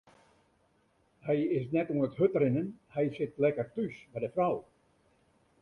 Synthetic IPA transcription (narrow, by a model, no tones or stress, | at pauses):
hɛjɪsnɛtuənəthøtrɪnənhɛjsɪtlɛkərtysbɛjdəfraw